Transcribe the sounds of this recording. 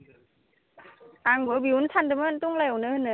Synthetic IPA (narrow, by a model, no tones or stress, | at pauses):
ʔaŋwəbiunt̪ʰant̪əmənt̪uŋlewnənə